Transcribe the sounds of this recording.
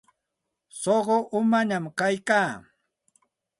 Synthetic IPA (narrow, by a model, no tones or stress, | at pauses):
soɢoʔʊmaɲamkajkaː